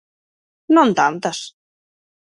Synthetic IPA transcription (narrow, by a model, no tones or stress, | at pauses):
nõnt̪ant̪as